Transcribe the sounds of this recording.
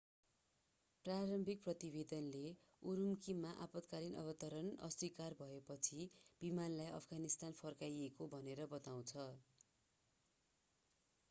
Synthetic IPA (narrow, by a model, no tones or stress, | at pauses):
praɾʌmbʱik̚prʌt̪ibed̪ʌnle | uɾumkimːaʔapʌt̪kaɾinʔʌ̰βʌt̪ʌɾʌnʌ̰sikarbʱʌepʌt͡sʰib̥imanlajʔʌ̰pʰɡanist̪anpʰʌrkajekobʱʌneɾʌbʌt̪aw̃t͡sʰʌ